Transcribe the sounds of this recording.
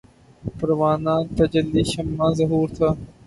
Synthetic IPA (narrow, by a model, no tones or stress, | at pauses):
pɐɾʋaːnãːt̪ɐd͡ʒɐlːiːʃɐmːãːzɐɦuːɾt̪ʰaː